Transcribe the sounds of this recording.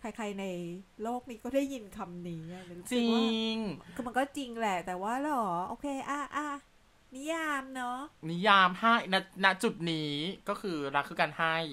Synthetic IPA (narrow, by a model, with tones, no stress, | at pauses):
kʰa˧jkʰa˧jna˧jloː˥˩k̚niː˦˥kɔː˥˩da˥˩jːi˧nkʰa˧mniː˦˥ʔa˨˩ma˧˦t͡ɕːi˧ŋ˧˩ma˧nkɔː˥˩t͡ɕi˧ŋlɛ˨˩t̪ɛː˨˩waː˥˩lɔː˩˦ʔoː˧kʰeː˧ʔaː˧˩ʔaː˧˩ | ni˦˥jaː˧mnɔ˦˥ni˦˥jaː˧mha˥˩jna˦˥na˦˥ʔt͡ɕu˨˩t̪̚niː˦˥kɔː˥˩kʰɯː˧ɾa˦˧kʰːɯː˦˥˩ka˧nha˥˩j